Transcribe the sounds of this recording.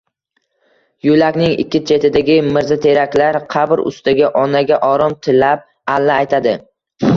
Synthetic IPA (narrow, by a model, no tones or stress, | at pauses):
jʊlakʲnɪŋɪ̰kʲːɪt͡ʃʰe̞t̪ʰɪd̪aɡʲɪmɪɾzat̪ʰe̞ɾakʲlaɾqʰɑbɾʊ̰st̪aɡʲaʔɒnaɡʲaʔɒɾɒmt̪ʰɪlːap̚ | alːaːjt̪ʰad̪ɪ